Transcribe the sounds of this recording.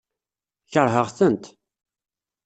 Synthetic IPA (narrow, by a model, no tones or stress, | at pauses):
çəɾˤɦəʁθənt̪